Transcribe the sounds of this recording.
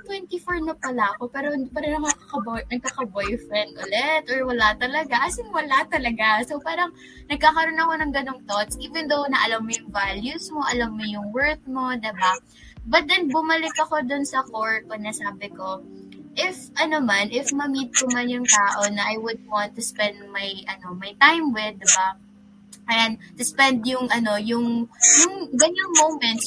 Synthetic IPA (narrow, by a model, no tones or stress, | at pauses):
t̪wɛnt̪ifoɹnɐpɐlaʔɐko̞pɛːɾopaːɾonɐkakakɐbojnɐɡ̚kakɐbojfɾɛnd̪ʔʊlɛt̪ʔɔɹwɐlat̪ɐlɐɡaʔɐsɪŋwɐlat̪ɐlɐɡasowpaːɾɐŋ | nɐɡ̚kaːkɐɾonɐko̞nɐŋɡɐno̞ŋt̪ot̪sʔiːvɛnd̪ownɐʔɐlɐmːojʊŋvaljusmo̞ʔɐlɐmːojʊŋwɛɹt̪̚mo̞d̪ɪba | bɐt̪̚d̪ɛnbʊmɐlɪkɐko̞d̪ʊnsɐkoɹonɐsaːbɪko̞ | ʔɪfʔɐnomanʔɪfmɐmit̪̚kʊmɐnjʊŋt̪aːʔo̞nɐʔajwʊd̪̚want̪ːʊspɛnd̪mɐjʔɐno̞mɐjt̪ajmwɪd̪ɪba | kɐjant̪ʊspɛnd̪jʊŋɐno̞jʊŋjʊŋɡɐnoŋmowmɛnt̪s